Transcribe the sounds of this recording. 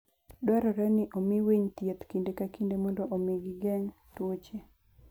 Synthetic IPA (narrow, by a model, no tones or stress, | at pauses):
dwɛɾɔɾɛnɪʔomiweɲt̪jet̪kindekakindemɔndɔʔomiɡiɡɛŋtwot͡ʃe